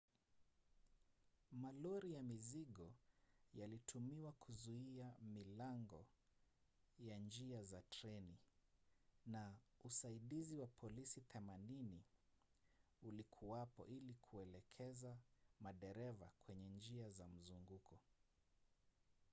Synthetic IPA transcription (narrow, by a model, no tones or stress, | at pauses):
malɔɾijamiziɠɔjalitʰumiwakʰuzuiamilaŋɡɔ̰ | jand͡ʒiazatɾɛni | nausaiɗiziwapʰɔlisiθɛmanini | ulikʰuwapɔ̰ʔilikʰuɛlɛkʰɛzamaɗɛɾɛva̰kwɛɲɛnd͡ʒiazam̩zuŋɡukʰɔ